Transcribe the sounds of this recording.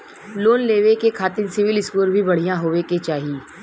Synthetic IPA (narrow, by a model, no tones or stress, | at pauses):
loːnleːʋekekʰaːt̪ɪnsɪʋɪlɪskuːɾbʱibɐɽ̤ijãɦoːʋeket͡ʃaːɦiiː